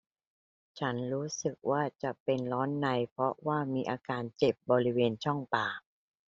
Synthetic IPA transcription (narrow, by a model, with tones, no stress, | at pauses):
t͡ɕʰa˦˥nɾuː˦˥sɯ˨˩k̚waː˥˩t͡ɕa˨˩pe˧nlɔː˦˥nːa˧jpʰɾɔ˦˥waː˥˩miː˧˥ʔaː˧kaː˧nt͡ɕe˨˩p̚bɔː˧ɾi˦˥weː˧nt͡ɕʰɔ˥˩ŋpaː˨˩